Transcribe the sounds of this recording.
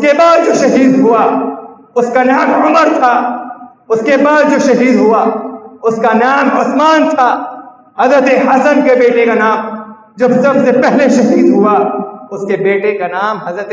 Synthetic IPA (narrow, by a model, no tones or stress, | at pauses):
ʊkebaːd̪̚d͡ʒoːʃɐɦiːd̪ɦʊa | ʊskanaːmʕʊməɾt̪ʰaː | ʊskebaːd̪̚d͡ʒoːʃɐɦiːd̪ɦʊaʊskanaːmʊsmaːnt̪ʰa | ɦɐzət̪eɦɐsənkebeːʈekanaːm | d͡ʒɐbsɐbsepɛɦleʃɐɦiːd̪ɦʊaʊskebeːʈekanaːmɦɐzɾət̪